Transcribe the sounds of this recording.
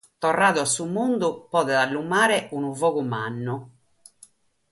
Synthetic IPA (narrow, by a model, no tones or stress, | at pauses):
t̪ɔrːaːðuasːumund̪upɔːðɛðalːumaːɾɛunuvɔːɣumanːu